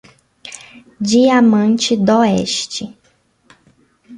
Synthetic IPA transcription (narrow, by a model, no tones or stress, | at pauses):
d͡ʒiamɐ̃nt͡ʃɪd̪oɛ̰ʃt͡ʃɪ